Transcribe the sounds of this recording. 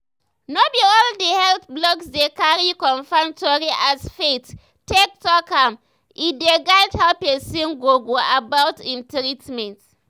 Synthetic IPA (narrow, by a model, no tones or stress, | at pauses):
nobiɔldehɛlt̪blɔksdekaɹikɔ̃nfãŋmktoɹiʔasfet | tek̚tɔkãm | ideɡaɪdhawpɛsĩnɡoɡoabawtĩntɹitmɛ̃nt